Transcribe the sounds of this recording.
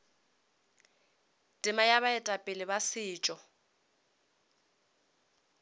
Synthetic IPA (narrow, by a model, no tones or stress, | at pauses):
tʼɪmajaβaɛtʼapʼɪlɪbasɪːt͡ʃʼɔ